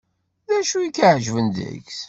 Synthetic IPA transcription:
ðæʃujikːəʕʒvənd̪ə̰çs

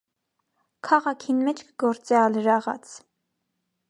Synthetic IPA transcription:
kʰɑʁɑkʰinmɛt͡ʃʰkəɡɔɾt͡sɛɑləɾɑʁɑ̰t͡sʰ

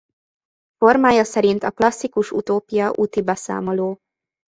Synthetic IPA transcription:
fo̞rmaːjɒsɛɾint̪ɒklɒsːikuʃṵt̪oːpijɒʔut̪ibɛsa̰ːmo̞loː

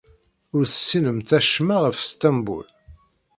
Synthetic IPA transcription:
ʊɾθəsːinəmθæʃmaʁəfst̪æmbṵl

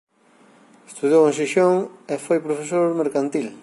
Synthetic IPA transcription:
est̪uðjowẽŋsiʃoŋefojpɾofes̬oɾmeɾkant̪il

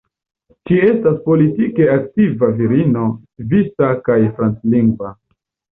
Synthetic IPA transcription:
d͡ʒie̞staspo̞litike̞aktivaviɾino̞ | visakajfɾant͡sliŋɡva

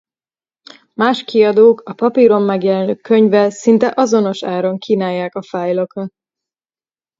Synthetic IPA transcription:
maːʃkʰiɒd̪oːkɒpɒpiɾo̞mːɛɡjɛlɛnøːkːø̞ɲvɛlsint̪ɛʔɒzo̞no̞ʃaːɾo̞ŋkiːnaːjːaːkɒfaːjlokɒt̪

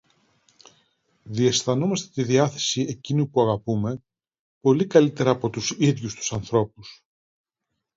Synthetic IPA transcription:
ðie̞sθɐno̞mɐst̪et̪iðiɐθe̞̥siecinupuɐɣɐpume̞ | po̞likɐlit̪e̞ɾɐːpo̞t̪usiðʝust̪u̥sɐnθɾo̞pus

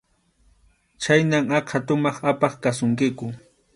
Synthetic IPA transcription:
t͡ʃajnaŋɑqʰat̪ʊmɑχapɑχkasʊŋkɪkʊ

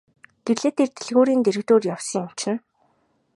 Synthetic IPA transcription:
ɡ̥eɮeːt̪ʰert̪ĕɮɣoːɾiːnt̪eɾɘ̆kt̪oːrjawsə̆ŋam̥t͡ɕɪ̆n

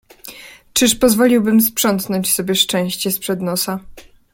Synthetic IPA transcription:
t͡ʂɘʂpɔzvɔlʲiwbɘmspʂɔnt̪nɔɲt͡ɕsɔbʲjɛʂt͡ʂɛ̃w̃ɕt͡ɕɛspʂɛd̪nɔsa

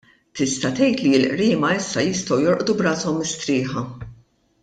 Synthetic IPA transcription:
t̪ɪst̪ɐt̪ɛjt̪liɪlʔɾiːmɐɪsːɐjɪst̪ɐwjɔɾʔd̪ubɾɐːsɔmːɪst̪ɾɪːħɐ

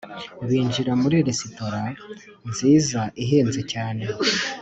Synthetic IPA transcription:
uβiːɲʒiɾamuɾiɾesito̞ɾa | nziːzaʔiɦeːnze̞caːne̞

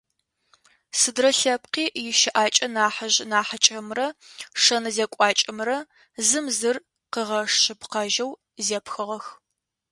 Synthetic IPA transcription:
sɨdrɐɬɐp̚qiːjɪʃɪʔaːt͡ʃʼɐnaːħɐʑnaːħat͡ʃʼɐmrɐʂɐnɐzekʷʼɑːt͡ʃʼɐmrɐ | zɨmzɨr | qəʁɐʂʃɨpʰqɐʒɐw | zeːpxɨʁɐx

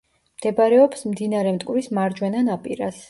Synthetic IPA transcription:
md̪̥ɛbaɾɛɔpsmd̪inaɾɛmt̪ʼkʼvɾismaɾd͡ʒwɛnanapʼiɾas

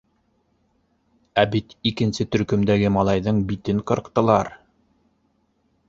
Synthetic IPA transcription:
æbit̪ikɘ̆nsɘt̪ɵ̆ɾkɵ̆md̪æɡɘmɑlˠɑjðɤɴbit̪ɘŋqɤ̆ɾ̆qt̪ɤ̆lˠɑɾ

